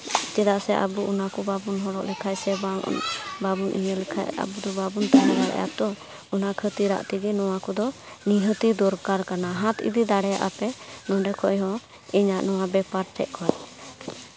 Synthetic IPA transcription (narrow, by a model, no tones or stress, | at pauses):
d͡ʒɛd̪aʔsɛʔa̰buunakɔbabunɦɔɽɔʔlɛkʰajsɛbababunʔḭɲəlɛkʰa̰ja̰bud̪ɔbabunt̪anɛɡaɾɛ̰ja̰t̪ɔ | unakʰət̪iɾa̰ʔt̪iɡɛnɔwakɔd̪ɔ | niɦət̪id̪ɔɾkaɾkanaɦãt̪ḭd̪id̪aɽɛja̰ʔapɛnɔ̃ɖɛkʰɔjɦɔ̃ | iɲaʔnɔwabɛpaɾʈʰɛʔkɔt